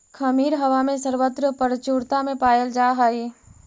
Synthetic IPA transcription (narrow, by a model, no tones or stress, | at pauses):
kʰəmiːɾɦɐʋamẽsəɾʋət̪ɾəpəɾt͡ʃuːɾt̪amẽpaːjəld͡ʒaːɦaːeː